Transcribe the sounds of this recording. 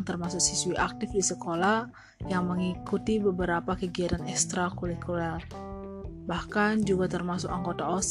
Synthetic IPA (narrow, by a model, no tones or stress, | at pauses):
ŋt̪ərmasʊk̚sisuiʔak̚t̪ɪfdisəkolah | jaŋməŋikut̪ibəbəɾapakəɡiat̪anɛkst̪ɾakulikular | bahkand͡ʒuɡat̪ərmasʊkaŋɡot̪aos